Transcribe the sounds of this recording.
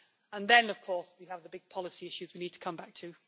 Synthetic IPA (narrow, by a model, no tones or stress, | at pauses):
ə̃nðə̃nəv̥kʰɔɹswiəvðəbɪɡ̚pʰɒlɪsiɪʃʉzwiniːd̚tʰə̥kʰʌ̃mbak̚tʰɨ